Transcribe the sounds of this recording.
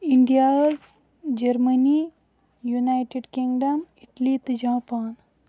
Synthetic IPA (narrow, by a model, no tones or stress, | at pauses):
iɳɖijaz | d͡ʒɐɾməni | junajʈeɖkiŋɡɖɐmiʈlit̪ɨd͡ʒãːpaːn